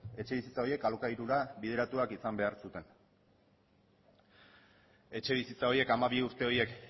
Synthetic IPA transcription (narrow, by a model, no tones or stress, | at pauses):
e̞t͡ʃe̞β̞isit͡sao̞je̞kalokaiɾuɾaβið̞eɾat̪uakisambe̞aɾsut̪e̞n | e̞t͡ʃe̞βisit͡sao̞jie̞kamaβiuɾt̪e̞o̞je̞k